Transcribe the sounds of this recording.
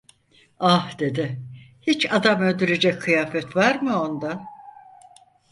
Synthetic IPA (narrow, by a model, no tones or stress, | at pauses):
ahd̪e̞d̪ɪhit͡ʃad̪amø̞lʲd̪yɾed͡ʒɛc̚kʰɯjaːfɛt̪vaɾmɯo̞nd̪a